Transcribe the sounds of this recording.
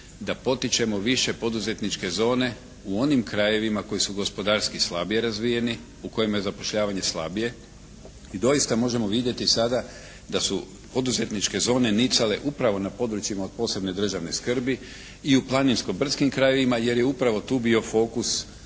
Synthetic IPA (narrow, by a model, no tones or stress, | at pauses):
d̪apo̞t̪it͡ʃe̞mo̞ʋiʃe̞po̞d̪uze̞t̪nit͡ʃke̞zo̞ːne̞ | uo̞nimkɾaje̞ʋimako̞jisuɡo̞spo̞d̪aɾskislˠabije̞ɾazʋije̞ni | uko̞jimjezapo̞ʃʎaːʋaɲe̞slˠa̰bije̞ | id̪o̞jist̪amo̞ʒe̞mo̞ʋid̪je̞t̪isad̪a | d̪asu | po̞d̪uze̞t̪nit͡ʃke̞zo̞ːne̞nit̪sale̞ʔupɾaʋo̞napo̞d̪ɾut͡ʃjimao̞d̪̚po̞ːse̞bne̞d̪r̩ʒaʋne̞skr̩bi | iuplˠaninskobr̩t̪skimkɾaje̞ʋimaje̞ɾjeupɾaʋo̞t̪uːbio̞fo̞ːkus